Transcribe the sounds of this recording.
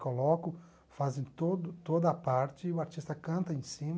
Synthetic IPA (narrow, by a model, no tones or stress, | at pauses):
kolɔkʊ | fazẽj̃t̪od̪ʊt̪od̪ɐːpaɾt͡ʃɪʊaɾt͡ʃist̪ɐkɐ̃nt̪ɐẽsĩm